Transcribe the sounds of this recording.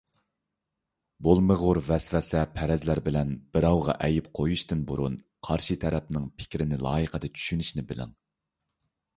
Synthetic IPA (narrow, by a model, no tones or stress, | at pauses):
bolˠməʁʊɾvɛsvɛsɛpʰɛɾɛzlæɾbɪlɛnb̥ɪɾɑwʁɑʔɛjipqʰojuʃt̪ɨnbuɾun | qʰɑɾʃit̪ʰɛɾɛp̚nɪŋpʰɪ̥kʲɾɪnɪlˠɑ̰ːjəqʰəd̪ɑt͡ʃʰy̥ʃynyʃnɪbɪlɪ̰ŋ